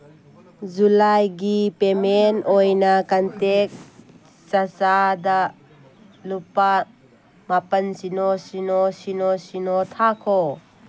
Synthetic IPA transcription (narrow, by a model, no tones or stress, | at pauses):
zulajɡipemɛnʔɔjnakɐnt̪ɛk̚ | t͡sɐt͡sad̪aʔ | lupa | mapɐnsinɔsinɔsinɔsinɔt̪ʰakʰɔ